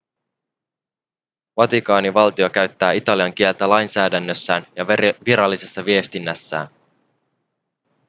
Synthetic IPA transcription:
ʋɑt̪ikɑːniʋɑlt̪iokæɥt̪ːæːit̪ɑliɑŋk̟ie̞lt̪ælɑjnsæːdænːøsːæːnjɑʋiɾɑlːise̞sːɑʋie̞st̪inːæsːæ̰ːn

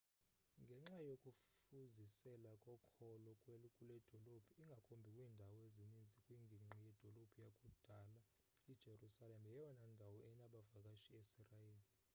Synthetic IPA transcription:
ŋɡʱɛŋ͡ǁajokʼuffuzisɛlakʼɔkʰɔlɔkʼwɛkʼulɛd̥ʱɔlobʰʱiiŋɡʱakʼombʱikʼwiːndʱawɔezinind͡zʱikʼwiŋɡʱiŋ͡ǁijɛd̥ʱolob̥ʱujakʼud̥ʱala | id̥ʒ̥ʱerusalemɛjɛjɔnandʱawɔʔɛnaɓavakʼaʃiesirajeːli

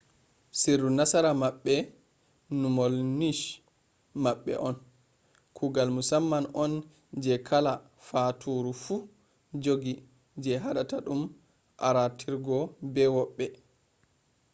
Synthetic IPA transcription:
siɾːunasaɾamaɓːɛ | numɔlniʃ | maɓːɛ̰ʔɔn | kʰuɡalmusamːanɔn | d͡ʒɛkʰala | fatʰuɾufu | d͡ʒoɡi | d͡ʒɛɦaɗataɗum | ʔa̰ɾatʰiɾɡɔbɛwɔɓːɛ

